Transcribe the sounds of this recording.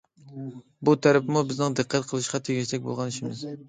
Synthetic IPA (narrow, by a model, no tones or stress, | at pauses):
but̪ʰæɾɪpmubɪznɪŋd̪ɨqʰːɑt̪qʰəlˠɨʃqɑt̪ʰeɡʲiʃt̪ɛk̚ʲbo̰lˠʁɑnɪʃɪmɪz̥